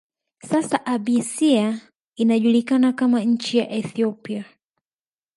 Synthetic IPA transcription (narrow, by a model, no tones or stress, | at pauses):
sasaʔaɓisia | inaʄulikanakamaɲ̩t͡ʃijaʔɛθiɔpia